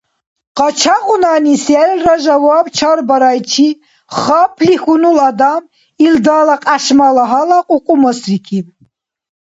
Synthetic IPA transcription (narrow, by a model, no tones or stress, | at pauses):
qʼat͡ʃʰaqʼunaːnisɛlraʒawaːbt͡ʃʰaɾbaɾajt͡ʃʰi | χapʰlixunulad̪am | ild̪aːlaqʼaʃmalaɦalaqʼuqʼumɔsrikʰi